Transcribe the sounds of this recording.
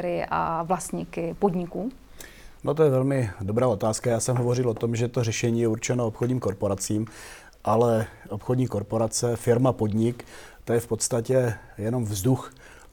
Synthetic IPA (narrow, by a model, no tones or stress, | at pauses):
ɾɪʔa̰vlast̪ɲikɪpodɲɪkuː | not̪ojɛvɛlmɪdo̞bɾaːo̞t̪aːskajaːsɛmɦovo̞rɪlo̞t̪o̞mʒɛt̪o̞rɛʃɛɲiːjɛuɾt͡ʃɛnoopxodɲiːmkoɾpo̞ɾat͡siːm | ʔalɛo̞pxodɲiːko̞ɾpo̞ɾat͡sɛfɪɾmapo̞dɲɪk | t̪ojɛfpo̞t̪st̪acɛjɛno̞mvzdux